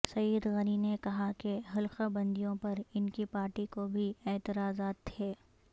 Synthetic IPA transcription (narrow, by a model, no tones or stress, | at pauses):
sɐjːəd̪ɣɐninekɐɦakeɦɐlqabɐ̃nd̪ijõpɐɾɪnkipaːɾʈikobʱiɛːt̪ɪɾaːzaːt̪ʰːeː